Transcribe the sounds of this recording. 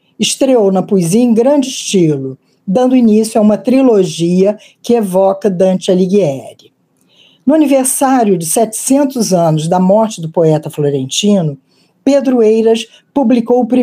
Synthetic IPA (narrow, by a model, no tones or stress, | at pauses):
ɪʃt̪ɾeownɐpuiziɐẽɡɾɐ̃nd͡ʒɪɪʃt͡ʃilʊ | d̪ɐ̃nd̪ʊinisjʊaũmɐt̪ɾiloʒiɐ | kɪevɔkɐd̪ɐ̃nt͡ʃɪɐliɡiɛɾɪ | nʊɐniveɾsaɾjʊd͡ʒɪsɛt͡ʃɪ̥sẽnt̪ʊzɐ̃nʊzd̪ɐmɔɾt͡ʃɪd̪ʊpoɛt̪ɐfloɾẽnt͡ʃĩnʊ | ped̪ɾʊejɾɐs | publikowʊpɾi